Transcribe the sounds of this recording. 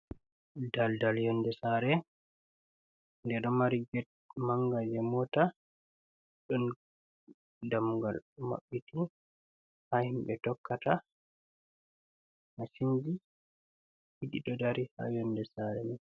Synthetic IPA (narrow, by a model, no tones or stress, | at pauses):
daldaljɔndɛsaɾɛ | ndɛɗɔmaɾiɡɛt̚ | maŋɡad͡ʒɛmɔta | ɗɔn | damuɡalma̰ɓːiti | hahimɓɛtɔkːata | nasind͡ʒi | hiɗiɗɔdaɾiha̰jɔndɛsaɾɛnɛ